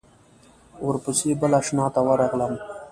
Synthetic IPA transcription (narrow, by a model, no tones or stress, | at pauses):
wəɾpəsebəlaʃnɑt̪awaɾɑɣləm